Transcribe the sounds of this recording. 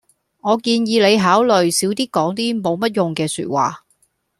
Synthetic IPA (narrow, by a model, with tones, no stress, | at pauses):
ŋɔː˨˧kiː˧njiː˨˧le˨˧jɦaː˨˥wlɵ˨ɥsiː˨˥wt̪iː˥kɔː˨˥ŋt̪̬iː˥mo˨˧wmɐ˥t̚jʊ˨ŋkɛː˧sy̰ː˧t̚wa̰ː˨